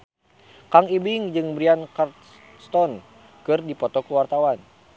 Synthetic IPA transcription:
kaŋibɪŋd͡ʒɨŋbɾiankart̪ | st̪ɔn | kɨrdipɔt̪ɔkəwart̪awan

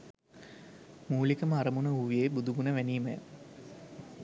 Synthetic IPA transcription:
muːlikɐməaɾɐmunəuʋijebud̪uɡunəʋæniːmɐ̰j̰

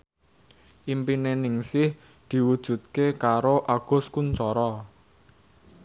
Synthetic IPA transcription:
ʔimpinenɪŋsɪh | d̪̥i̤wud̥ʒ̥ṳt̪̚kekaɾoʔaɡ̥ʊ̤skunt͡ʃɔɾɔ

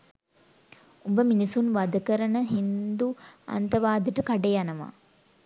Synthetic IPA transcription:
ubəminisunʋad̪əkəɾənəɦind̪ua̰nt̪əʋaːd̪əʈəkaɖejanəʋa̰ː

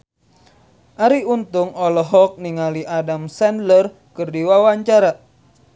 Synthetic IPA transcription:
ʔaɾiunt̪ʊŋɔlɔɦɔk̚niŋaliʔadamsɛndlər | kɨrdiwawaɲt͡ʃaɾa

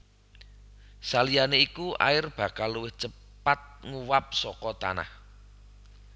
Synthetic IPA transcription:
salijaneikuʔa̰ɪrb̥ä̤kalːuwɪht͡ʃə | pat̪̚ŋuwap̚sɔkɔt̪a̰na̰h

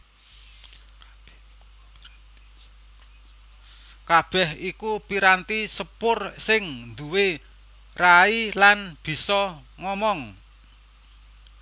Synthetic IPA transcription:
kab̥ɛhikupiɾant̪isəpʊrsɪŋnd̪uwe | railanb̥i̤sɔŋɔmɔŋ

